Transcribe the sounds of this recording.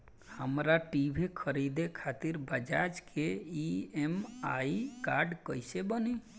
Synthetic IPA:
həmɾaʈibʱekʰəɾid̪ekʰat̪iɾbəd͡ʒad͡ʒkʰeiemaikaɾɖkəjsebəni

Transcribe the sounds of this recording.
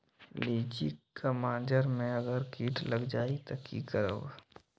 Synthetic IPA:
liːd͡ʒḭkamãːd͡ʒəɾmẽəɡəɾkiːʈləɡd͡ʒaːit̪ɐkʰikəɾə̰ʋ

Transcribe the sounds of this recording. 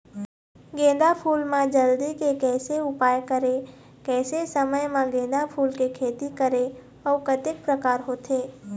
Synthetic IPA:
ɡẽːd̪apʰuːlmãd͡ʒəld̪ikekɛːseʊpaːjkəɾe | kɛːsesəməjmãɡẽːd̪apʰuːlkekʰeːt̪ikəɾe | ɔːkət̪ɪk̚pɾəkaːɾɦoːt̪eː

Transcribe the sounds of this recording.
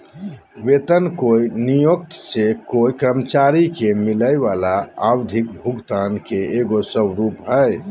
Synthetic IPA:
ʋet̪ənkoinijok̚t̪sekoikɾəmət͡ʃaɾikemiləjʋalaawd̪ʱik̚bʱuɡt̪ankeeɡosəbɾupɦəj

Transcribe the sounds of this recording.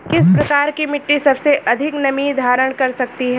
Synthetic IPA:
kɪspɾɐkaːɾkimɪʈːisɐbseʔɐd̪ʱɪknɐmid̪ʱaːɾəɽ̃kɐɾsɐk̚t̪iɦɛː

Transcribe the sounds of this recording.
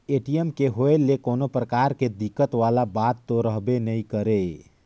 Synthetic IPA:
eʈiəmkeɦoelekonopɾəkaɾked̪ikːət̪ʋalabat̪ːoɾəɦbenəikəɾe

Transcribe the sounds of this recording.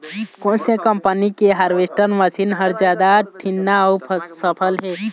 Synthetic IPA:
kõnsẽkəmpənikeɦaɾʋesʈəɾnməsinɦəɾd͡ʒjad̪aʈʰinːaɔːpʰəsəpʰəlɦe

